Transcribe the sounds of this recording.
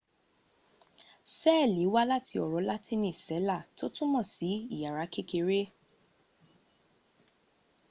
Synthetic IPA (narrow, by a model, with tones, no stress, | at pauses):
sɛː˦˨li˨˦wa˦la˦tʰi˧ɔ˨ɾɔ˨˦la˦tʰi˦nĩ˦˨sɛ˨˦la˦˨to˦tũ˦mɔ̃˦˨si˨˦i˦˨ja˨ɾa˨˧˦ke˦ke˧ɾe˦